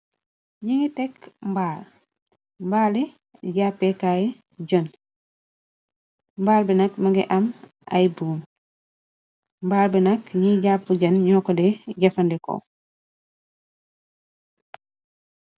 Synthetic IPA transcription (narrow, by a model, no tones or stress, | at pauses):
ɲiŋitɛkmbaːl | mbaːli | ɟaːpːekajɛ | ɟɐn | mbaːlbinɐkmɐɡɛ̰ʔɐm | ʔɐ̰jbuːm | mbaːlbinɐkɲiɟaːpːuɟɐnɲɔːkɔdɛɟɐfɐndɛko̰